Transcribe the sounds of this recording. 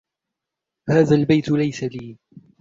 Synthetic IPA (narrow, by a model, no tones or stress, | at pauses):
haːðaːlbajt̪lajsaliː